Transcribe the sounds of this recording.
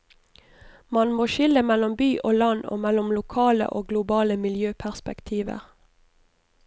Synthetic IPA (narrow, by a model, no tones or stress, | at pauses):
mɑnmoːʃɪləmɛlɔmbyːʔoːlɑno̰ːmɛlʊmlʊkʰɑːlə̰ʔoːɡlʊbɑːləmɪljøːpʰæʁspɛkt̪ʰiːʋə̰ʁ